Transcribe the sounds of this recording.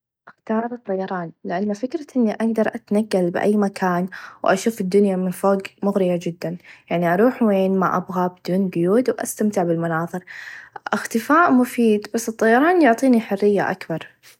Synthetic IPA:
ʔɪxt̪ɑːɾˤɨt̪ˤːɑjɑɾˤɑːnlɪʔanːafɪkɾɑʔɪnːiʔaɡd̪ɑɾˤʔat̪naɡːalbʔa̰jːmakʰaːnwʔa̰ʃuːfɪd̪ːʊnjamɪnfoːɡmʊɣɾɪjad͡ʒɪd̪ːanjaʕniʔɑɾˤuːħweːnmaʔabɣabɪd̪uːnɡʊjuːd̪wʔa̰st̪amt̪ɪʕbɪlmʊnɑːðˤɨɾʔɪxt̪ɪfaːʔmʊfiːd̪basːɨt̪ˤːɑjɑɾˤɑːnjʊʕt̪ˤiːniħʊrːɪjːa̰ʔa̰kbɑɾˤ

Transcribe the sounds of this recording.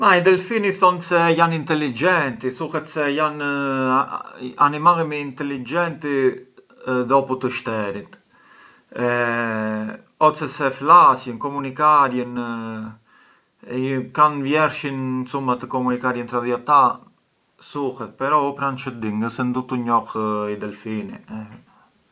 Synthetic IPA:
maid̪ɛlfiniθɔnsɛjanint̪ɛlid͡ʒɛnt̪isuhɛt̪sɛjan | animalimiint̪ɛlid͡ʒɛnt̪i | ðɔput̪əʃt̪ɛɾit̪ | ɔt͡sɛsɛflasjənkɔmunikaɾjən | kanvjɛɾʃinsumat̪əkɔmunikaɾjənt̪ɾaðiat̪a | suhɛt̪̚pɛɾɔupɾant͡ʃəd̪iŋɡəsɛnd̪ut̪uɲɔhid̪ɛlfinḭ

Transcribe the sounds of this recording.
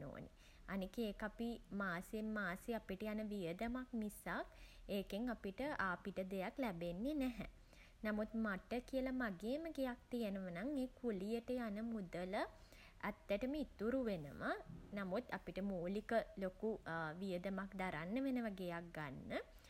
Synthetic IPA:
no̰ːnḛ | anikeeːkapimaːsemːaːseapiʈəjanəʋijəd̪əmak̚nisakeːkeŋapiʈəʔapiʈəd̪ejaklɛbenːenɛɦɛ̰ | namut̪maʈəkiəlamaɡeːməɡejak̚t̪ijənəʋənaŋeːkulijəʈəjanəmud̪ələ | æ̰t̪ːəʈəməit̪uɾuʋenəmanamut̪apiʈəmoːlikəlokuʋijəd̪əmakd̪aɾanːəʋenəʋaɡejak̚ɡanːə

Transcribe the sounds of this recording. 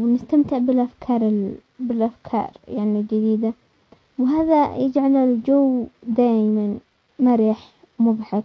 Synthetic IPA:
wnɪst̪amt̪ɪʕbɪlʔafkʰɑːɾˤɪ | bɪlʔafkʰɑ̰ːɾˤjaʕnild͡ʒɪd̪iːd̪a | wɦaːðajɪd͡ʒʕalald͡ʒawːd̪aːjman | maɾiːħ | mʊbħak

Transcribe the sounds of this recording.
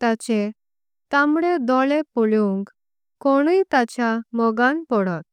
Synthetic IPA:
t̪at͡ɕe | t̪ãmɽed̪ɔɭepuɭuŋk | koɽ̃uit̪at͡ɕjamɔɡãnpɔɽɔt̪̚

